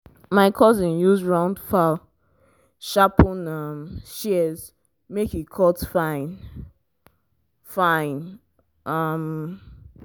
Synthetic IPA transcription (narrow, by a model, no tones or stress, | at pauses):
maɪkʰɔzĩnjuzɹãʊ̃ndfa | ʃapɔ̃namʃiɛz | mekikʰɔtfãɪ̃n | fãɪ̃n | am